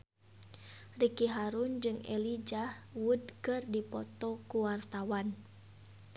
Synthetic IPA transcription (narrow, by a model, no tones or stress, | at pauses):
rikiɦaɾund͡ʒɨŋɛ̰lid͡ʒahwudkɨrdipɔt̪ɔkuwart̪awan